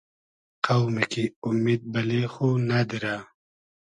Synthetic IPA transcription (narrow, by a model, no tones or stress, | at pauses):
qawmikiʊmid̪̚bɐlexonad̪iɾa